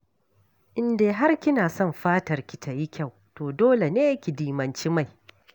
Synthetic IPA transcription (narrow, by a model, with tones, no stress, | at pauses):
ʔɪ˨ndeː˨ɦa˦rkʲɪ˦naː˨sɔ˦˨mɸaː˦tɐ˨rkʲi˨tʰa˨ji˦kʲa˦˨w | toː˨doː˦le˨neː˦jkʲi˨diː˨mɐ˨nt͡ʃi˦ma˦˨j